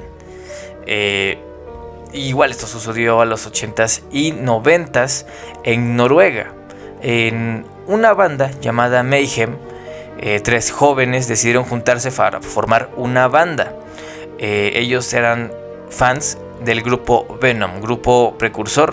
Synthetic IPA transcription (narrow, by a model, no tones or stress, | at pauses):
e | iːɣwale̞st̪osuseðjo̞alo̞so̞t͡ʃe̞nt̪asino̞βe̞nt̪as | e̞ŋno̞ɾwe̞ɣa̰ | en | unaβand̪aʝamaðamejxem | et̪ɾe̞sxo̞βe̞ne̞zðesiðjeɾoŋxunt̪aɾse̞faɾa̰fo̞ɾmaɾunaβand̪a | ee̞̰ʝo̞se̞ɾan | fans | ðe̞lɡɾupo̞βenõmɡɾupo̞pɾe̞kuɾso̞ɾ